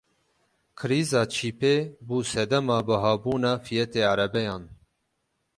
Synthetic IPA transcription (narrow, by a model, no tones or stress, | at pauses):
kʰɨɾiːzɑːt͡ʃʰiːpeːbuːsɛd̪ɛmɑːbɨɦɑːbuːnɑːfijɛt̪eːaɾɛbɛjɑːn